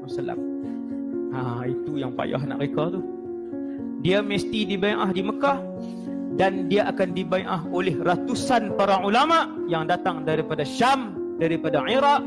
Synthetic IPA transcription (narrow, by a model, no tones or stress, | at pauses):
musala̰m | ait̪ujaŋpa̰ja̰ɦna̰ʔkekat̪uh | diaməst̪idibajʔahdiməkah | dandiaʔakandibajʔaɦolɛhrat̪usanpaɾaʕulamaʔjaŋdat̪aŋdaɾipadaʃam | daɾipadaʕiɾaʔ